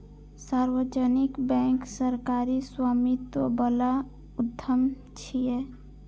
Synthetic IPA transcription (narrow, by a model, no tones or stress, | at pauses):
saɾwəd͡ʒənikbɛ̃ŋksəɾkaɾiswamit̪wəbəla | ud̪ʱːəm | t͡ʃʰije